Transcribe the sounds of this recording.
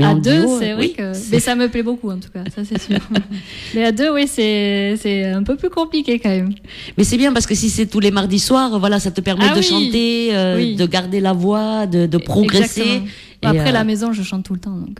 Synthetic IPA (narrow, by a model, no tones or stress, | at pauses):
ãd̪øsɛvwʁɛkəmɛsaməplɛbokuɑ̃t̪u̥kasasɛsyːʁmɛad̪øwisɛsɛɛ̃pøplykɔ̃plikʲekɑ̃mɛm | mɛsɛbjɛ̃paʁsə̥kəsisɛt̪ulemaʁd̪iswaʁvwalasat̪əpɛʁmɛd̪əʃɑ̃t̪eøid̪əɡaʁd̪elavwad̪əd̪əpχɔɡʁezaksẽ | apχχɛlamezɔ̃ʒəʃɑ̃t̪ːulət̪ɑ̃d̪ɔ̃k